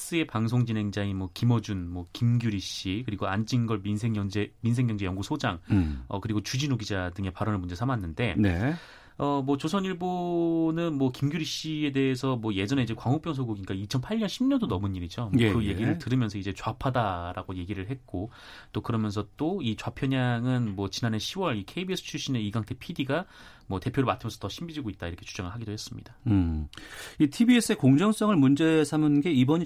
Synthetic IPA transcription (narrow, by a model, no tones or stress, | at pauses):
s͈ɯe̞paŋs̬ʰoŋd͡ʑine̞ŋd͡ʑaŋimwʌkimʌd͡ʑunmʌkimɡjuɾiɕ͈ikɯɾiɡoant͡ɕʰinɡʌɭmins̬ʰeŋjʌŋd͡ʑeminsʰe̞ŋːjʌŋd͡ʑejʌŋɡusʰod͡ʑaŋʌ̰kɯɾiɡot͡ɕud͡ʑinoɡid͡ʑadɯŋe̞paɾʌnɯɭmund͡ʑesʰamanːɯnde̞ne | ʌmwʌt͡ɕosʰʌniɭbonɯnmwʌkimɡjuɾiɕ͈ie̞de̞esʰʌmwʌje̞d͡ʑʌne̞id͡ʑekwaŋɦok̚p͈jʌŋs̬ʰʌɡoɡiɲik͈ait͡ɕʰʌnpʰaɭɲʌnɕʰimɲʌndonʌmɯnɲːiɾid͡ʑomkɯɯje̞ɡiɾɯɭtɯɾɯmjʌnsʰʌid͡ʑe̞t͡ɕwapʰadaɾa̰ɡoje̞ɡiɾɯɭɦe̞t̚k͈o | t͈okɯɾʌmjʌnsʰʌt͈oit͡ɕwapʰjʌɲaŋɯnmwʌt͡ɕinane̞ɕʰiwʌɾikʰeibies͈ʰɯ̥t͡ɕʰuɕ͈ineiɡaŋtʰe̞pʰidiɡa | mwʌte̞pʰjoɾɭmatʰɯmjʌnsʰʌtʌɕʰimbid͡ʑiɡoit̚t͈aiɾʌkʰe̞t͡ɕud͡ʑaŋɯɭɦaɡidohe̞s͈ɯmɲḭd̥a | itʰibies͈ʰɯe̞koŋd͡ʑʌŋs͈ʌŋɯɭmund͡ʑe̞sʰamɯnɡe̞ibʌɲi